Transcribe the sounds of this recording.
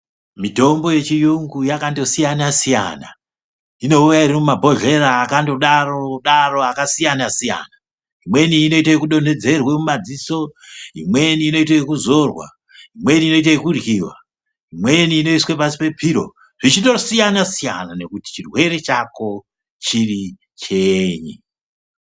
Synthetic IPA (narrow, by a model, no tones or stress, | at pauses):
mito̞mbo̞je̞t͡ʃijuŋɡujakando̞sijanasija̰na̰ | ino̞ujaiɾimumabʱo̞ɮe̞ɾaːkandoɗaroɗaro̞akasijanasija̰na | imwe̞niːno̞itaekuɗo̞nde̞d͡ze̞rwemumad͡ziso̞imweniːno̞it̬ajekuzo̞rwa̰ | imwe̞niino̞it̬ajekurjiwa̰ | imwe̞niːno̞iswepasi̥pe̞pʰiɾo̞̰ | ʐ̥it͡ʃito̞sijanasija̰nane̞kuti̥t͡ʃirwe̞ɾet͡ʃako̞ | t͡ʃiri | t͡ʃeɲi